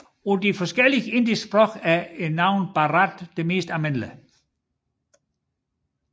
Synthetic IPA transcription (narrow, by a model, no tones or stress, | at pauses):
ɔd̥ifɒsɡ̥eliɡe̝nd̥isb̥ʁɔɡ̥æɐenɑ̈ʊ̰nb̥ɑʁad̥d̥eme̝̰ːsd̥æmenlə